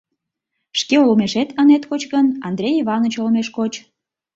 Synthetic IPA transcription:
ʃkeolmeʃet̪ənet̪kot͡ɕɣənɑnd̪ɾʲejiβɑnot͡ɕolmeʃkot͡ɕ

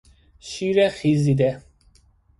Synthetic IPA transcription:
ʃiɾɛχizid̪ɛ

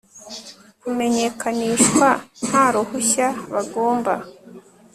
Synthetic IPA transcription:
kume̞ɲe̞kaniːʃwan̥haɾohuçaβaɡo̞ːmba

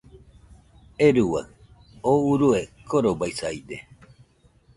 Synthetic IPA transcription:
eɾuwa̰ | ouɾuekʰoɾobaisaid̪e

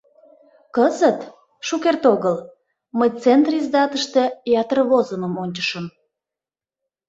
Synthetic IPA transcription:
kəzət̪ | ʃukert̪oɣəl | məjt͡sent̪rizd̪ɑt̪əʃt̪ejɑt̪ərβozəməmonʲt͡ɕə̥ʃəm

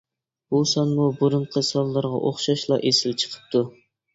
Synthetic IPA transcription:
b̥usɑnmubuɾʊɴqʰəsɑlˠːɨɾʁɑ̰ʔoχʃɑʃlˠɑʔesɪlt͡ʃʰə̥qʰə̥p̚t̪ʰu

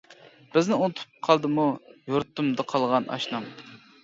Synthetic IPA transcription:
b̥ɪznɪont̪ʰʊ̥pp̚qʰɑlˠd̪ɨmujoɾt̪ːumd̪ɨqʰɑlˠʁɑnʔɑ̰ʃnɑm

